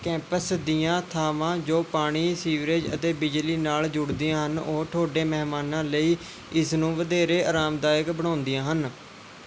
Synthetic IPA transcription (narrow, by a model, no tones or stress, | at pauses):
kɛ̃ːmpəsd̪ijãːt̪ʰaːʋãːd͡ʒoːpaːɽ̃iːsiːʋɾeːd͡ʒə̰t̪eːbɪd͡ʒliːnaːld͡ʒʊɽd̪iːãːɦənoːʈ̪ʰoːɖeːmɛɦmaːnãːləiː | ɪsnũːʋəd̪eːɾeːaːɾaːmd̪aːjəkbəɽ̃ãːnd̪ijãːɦən